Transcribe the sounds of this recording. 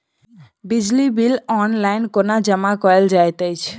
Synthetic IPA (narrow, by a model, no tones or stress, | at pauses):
bid͡ʒlibilɔnlajnkonad͡ʒəmakɔeld͡ʒajt̪əjt͡ʃʰ